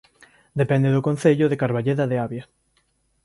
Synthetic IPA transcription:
d̪epɛnd̪eðʊkon̟θeʎʊðekaɾβaʎeðaðeaβja

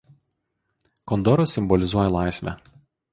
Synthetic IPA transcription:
kɔnd̪ɔɾosʲɪmbɔlʲɪzuɔjɛlˠɑˑɪsʲʋʲɛ̰

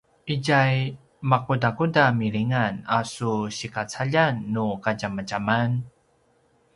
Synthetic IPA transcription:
ʔiɟaj | makudakudamiɾiŋanasuɕikat͡saʎanːukaɟamaɟaman

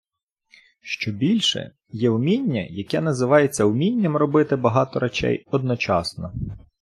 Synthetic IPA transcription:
ʃt͡ʃɔbʲilʲʃɛ̰ | jɛʊmʲinʲːɐ̰jɐkɛn̪ɐzɪʋɑjet͡sʲːɐʊmʲinʲːɐmrɔbɪt̪ɪbɐɦɑt̪ɔɾɐt͡ʃɛ̰jɔd̪̚nɔt͡ʃɑsnɔ

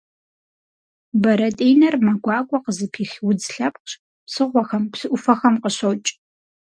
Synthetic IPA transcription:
bɐɾɐtʼeːjnɐrmɐɡʷɑːkʷʼɔqəzɨpʰiːxwʊd͡zɬɐp̚qɕ | psɨʁʷɔxɐmpsɨʔʷʊfɐxɐmqəɕɐwt͡ʃʼ

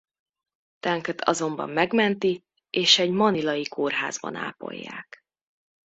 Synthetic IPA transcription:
t̪ɛŋkɛt̪ʰɒzo̞mbɒ̰mːɛɡmɛnt̪i | eːʃɛɟmɒnilɒjikʰoːrɦa̰ːzbɒ̰na̰ːpo̞̰jːa̰ːk

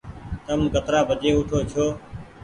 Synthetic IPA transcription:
t̪əmɡət̪ɾaːbʱəd͡ʒ̪eːʊʈʰoːt͡ʃʰoː

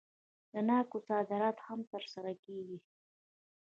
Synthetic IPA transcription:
d̪̥ənɑkosɑd̪ɪɾɑt̪hamt̪əɾsaɾakeɡi

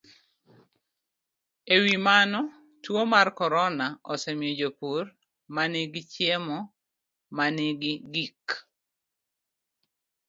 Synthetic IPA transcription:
ewimanɔ | twomarkɔɾɔnaɔsɛmjod͡ʒopur | manɪɡɪt͡ʃjemɔ | manɪɡɪɡik

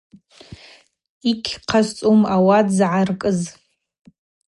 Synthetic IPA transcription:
ikʲʰqʰazt͡sʼumawadzʕarkʼɨz

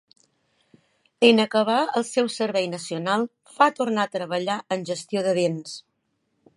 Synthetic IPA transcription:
enəkəβ̞aəlˠsɛwsəɾβɛjnəsiunalˠ | fat̪urnat̪ɾəβəʎaʔənʲʒəst̪ioðəβens

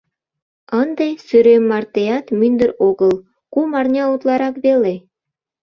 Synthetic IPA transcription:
ənd̪esyɾemːɑrt̪ejɑt̪mynd̪ə̆ɾoɣəlˠ | kumɑrnʲɑut̪lˠɑɾɑkβele

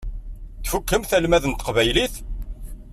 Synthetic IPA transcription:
θfukːəmθælmæðənt̪ə̥qvæjliθ

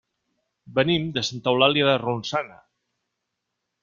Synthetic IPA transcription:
bənimd̪əsant̪awlaljaðərunsana

